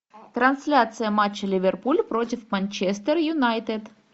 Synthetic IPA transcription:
t̪ɾɐnsʲlʲat̪sɨjɐmat͡ɕːɐlʲɪvʲɛrpulʲpɾotʲɪfmɐnʲt͡ʃɛst̪ɛrjunajt̪ɛd̪

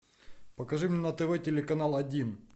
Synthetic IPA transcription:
pɐkɐʐɨmʲnʲɛnɐt̪ɛʋɔjtʲɪlʲɪkɐnalˠɐdʲin

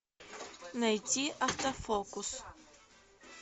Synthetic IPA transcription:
nɐjt̪ʲiʔɐft̪ɐfɔkʊs

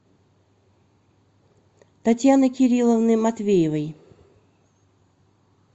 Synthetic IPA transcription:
t̪at̪ʲjanɨkʲɪɾʲilˠəvnɨmɐt̪vʲejɪvɐj

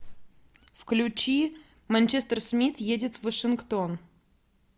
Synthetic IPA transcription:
fklʲʉt͡ɕi | mɐnʲt͡ɕest̪ərsmʲit̪jedʲɪt̪vəʂɨnkt̪on

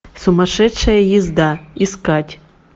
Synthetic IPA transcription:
sʊmɐʂɛt͡ʂɐjɐjizd̪aiskatʲ

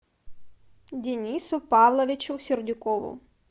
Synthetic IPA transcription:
dʲɪnʲisʊpavlˠɐʋʲɪt͡ʃʊsʲɪrdʲɪkɔʋʊ̰

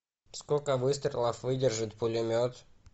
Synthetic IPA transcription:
skokəvɨst̪ɾʲɪlˠəfvɨdʲɪrʐɨt̪pʊlʲɪmʲot̪

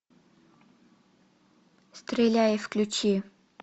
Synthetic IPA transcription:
st̪rʲelʲajəfklʲut͡ɕi

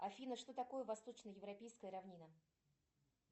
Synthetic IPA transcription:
ɐfʲinəʂt̪o̞t̪ɐko̞jəvɐst̪o̞t͡ɕnəjɪvɾɐpʲejskəjəɾɐvnʲinə

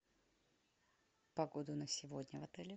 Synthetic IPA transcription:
pɐɡod̪ʊnəsʲɪvodʲnʲəvɐt̪ɛlʲɪ

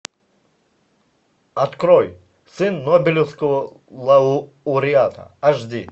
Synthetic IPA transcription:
ɐt̪kɾoj | sɨnːobʲɪlʲɪwskəvə | lˠɐ | ʊɾʲɪat̪ʰɐ̰ɐʐd̪ʲi

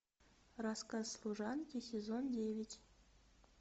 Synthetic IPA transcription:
raskasslˠuʐɑntʲesʲɪzondʲevʲɪtʲ

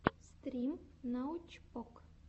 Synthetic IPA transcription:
st̪ɾʲimnawt͡ʃpɔk

